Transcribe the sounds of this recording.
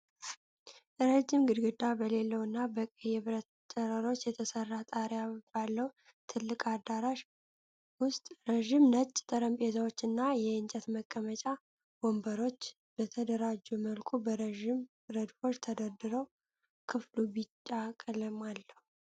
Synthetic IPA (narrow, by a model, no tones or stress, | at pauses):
ʔɾəd͡ʒɪmɡɨd̪ɡɨd̪abəle̞lːəwɨnːabəkʼəjɛβɨɾət̪ | t͡ʃʼəɾəɾo̞t͡ʃːjɛt̪ʰəsərːat̪ʼaɾjabalːəw | t̪ʰɨlːɨkʼad̪aɾaʃ | wʊst̪ʼɾəʒɪmnət͡ʃʼːt̪ʰəɾəmpʼezawo̞t͡ʃːɨnːajɛɨnt͡ʃʼət̪məkʼːəmət͡ʃʼa | bombəɾo̞t͡ʃː | b̥ət̪ʰəd̪əɾad͡ʒːuməlkʼubəɾʒɪm | ɾəd̪fo̞t͡ʃːt̪ʰəd̪əɾd̪ɨɾəw | kʰɨflubit͡ʃʼːakʼləmalːəhu